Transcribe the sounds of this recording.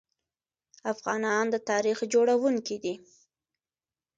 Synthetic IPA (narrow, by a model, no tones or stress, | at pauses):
afɣɑnɑnd̪ət̪ɑɾixd͡ʒoɽawuŋkid̪i